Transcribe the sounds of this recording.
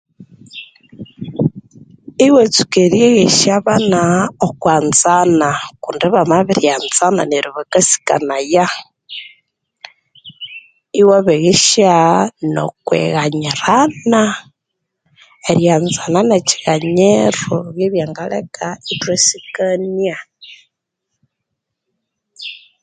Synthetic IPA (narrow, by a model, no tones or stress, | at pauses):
iwet͡su̥keɾjeɣiʃaβanaokwaːnzanakuːndiβamaβiɾjanzana̰neɾiβakasi̥ka̰naja | iwaβeɣiʃano̰kwḛɣaɲiɾana | eɾjanzananet͡ʃi̥ɣaɲeɾuɣjeβjaːŋɡalḛkʰaitwesikania